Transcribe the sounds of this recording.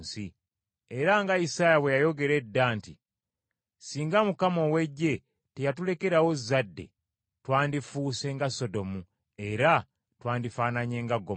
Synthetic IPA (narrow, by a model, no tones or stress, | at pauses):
si | e̞ɾaŋɡaisaːjaβwe̞jajo̞ɡe̞ɾe̞dːaːnti | siːŋɡamukamo̞we̞ɟːe̞ | te̞jatule̞ke̞ɾawo̞zadːe̞̰ | twaːndifuːse̞ŋɡaso̞do̞mu | e̞ɾa | twaːndifaːnaɲe̞ːŋɡaɡːo